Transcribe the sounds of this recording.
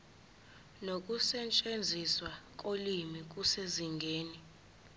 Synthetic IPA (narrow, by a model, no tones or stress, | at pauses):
nok̬ʼusɛt͡ʃʼend͡zʱiswak̬ʼolimik̬useziŋɡʱeːni